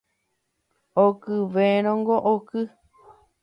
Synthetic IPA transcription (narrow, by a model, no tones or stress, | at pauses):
okɨʋeɾ̃õŋɡoʔokɨ